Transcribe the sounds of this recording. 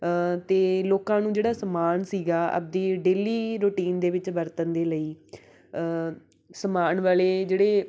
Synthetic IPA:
t̪eːloːkãːnũːd͡ʒeːɽaːsəmaːnsiːɡaːʔə̰p̚d̪eːɖeːliːɾoːʈiːnd̪eːʋɪt͡ʃbəɾt̪ənd̪eːləiː | səmaːɳʋaːleːd͡ʒeːɽeː

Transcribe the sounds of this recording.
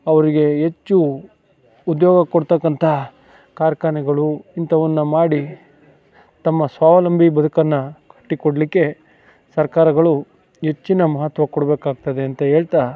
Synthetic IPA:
ɐʋɐɾiɡe̞ɦet͡ʃːuː | d̪jɔːɡɐkoɽt̪ɐkːɐnt̪ʰɐ | kaːɾkaːnɛɡɐɭuint̪ʰɐʋɐnːumaːɽi | t̪ɐmːɐsʋaːʋɐlɐmbʱibɐd̪ukɐnːɐkɐ̥ʈːikoɽɐlikːe̞ | sɐɾkaːɾɐɡɐɭu | ɦe̞t͡ʃːinɐmɐɦɐt̪ʋɐkɔɽɐbeːkaːɡ̚t̪ɐd̪eɐnt̪ɐɦe̞ːɭt̪a

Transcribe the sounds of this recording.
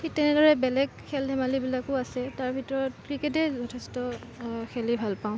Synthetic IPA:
xitɛnɛdɔɹɛbɛlɛɡkʰɛldʱɛmalibilakʊasɛtaɹbʱitɔɹɔt̚kɹiketɛzɔtʰɛstɔ | xɛlibʱalpaʊ̃

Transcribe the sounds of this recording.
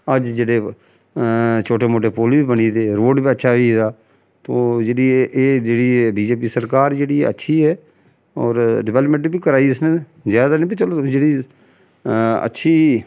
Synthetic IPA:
əd͡ʒd͡ʒeːɽeː | t͡ʃʰoːʈeːmoːʈeːpoːlbiːbəniːd̪eːɾoːɖbiːətːʃʰaːiːd̪aː | t̪oːd͡ʒeːɽiːeːd͡ʒeːɽiːbiːd͡ʒeːp̬iːsəɾkaːɾd͡ʒeːɽiːə̰tːʃʰiːɦɛː | ɔːɾɖɪʋɛːləpmə̃ɳʈbiːkəɾaːiːɪsneː | zjaːd̪aːnẽːbit͡ʃəlod͡ʒeːɽiː | ə̰tːʃʰiː

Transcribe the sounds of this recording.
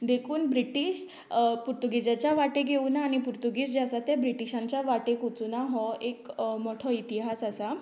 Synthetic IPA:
d̪ekʰuːnbɾiʈiɕ | puɾt̪uɡid͡ʑat͡ɕjaʋaʈeɡʱeunaːɽ̃ipuɾt̪uɡiːsd͡ʑeasat̪jabɾiʈiɕãɲt͡ɕjaʋaʈekut͡sunaɦɔekmɔʈʰɔit̪iɦasasa

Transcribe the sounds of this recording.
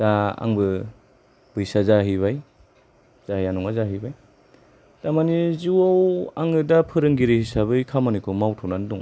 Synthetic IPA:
z̥aa̰ŋbɯ | b̥ɯjsazaɦiβaj | z̥ahijanɔŋazaɦijbaj | tamaniziwawa̰ŋɯdapʰɯɾɯŋɡiɾihisaβɯjkʰamanikʰɔmawtʰɔnanduŋ

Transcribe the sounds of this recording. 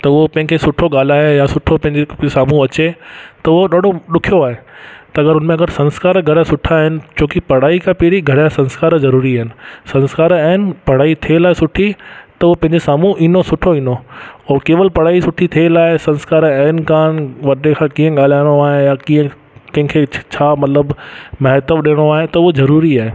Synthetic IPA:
t̪ɐʊɦopɐ̃ɦɪ̃kʰeːsʊʈʰoɠaːl̤aːejasʊʈʰopɐ̃ɦɪ̃ɲd͡ʑesaːmũʋɐt͡ɕet̪ɐʊɦoɗaːɖʱoɗʊkʰijoaːɦet̪ɐɐɡəɾʊnmẽɐɡəɾsɐ̃nskaːɾɡʱɐɾəsʊʈʰaɦɪnɪ̆t͡ɕoːkipɐɽ̤aːikʰãːpeːɾiɡʱɐɽasɐ̃nskaːɾzɐɾuːɾiaːɦɪnɪ̆sɐ̃nskaːɾaːɦɪnɪ̆pɐɽ̤aːit̪ʰielaːɪsʊʈʰit̪ɐʊɦopɐ̃ɪɲd͡ʑesaːmũʔiːnosʊʈʰoiːnoɔːkeːʋəlpɐɽ̤aːisʊʈʰit̪ʰielaːɪsɐ̃nskaːɾɐɦɪnɪ̆kaːnʋɐʈekʰãkĩːə̃ɠaːl̤aːɪ̃ɽ̃oaːɦejakiːə̃ | kɐ̃ɦɪ̃kʰet͡ɕʰaːmɐt̪ləbmɐɦt̪əbɗeːɽ̃oaːɦet̪ɐʊɦozɐɾuːɾiaːɦe

